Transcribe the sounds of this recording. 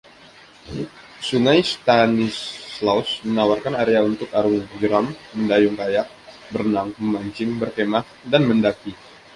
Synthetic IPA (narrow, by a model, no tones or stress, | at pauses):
suŋajst̪anislausmənawarkanaɾeaunt̪ʊkaɾʊŋd͡ʒəɾamːəndajʊŋkajak̚ | bərnaŋməmaɲt͡ʃɪmbərkemah | danməndaki